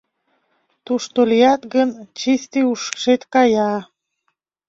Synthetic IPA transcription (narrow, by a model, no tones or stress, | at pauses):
t̪uʃt̪olijɑt̪ɡənt͡ɕist̪iuʃkʃet̪kɑjɑ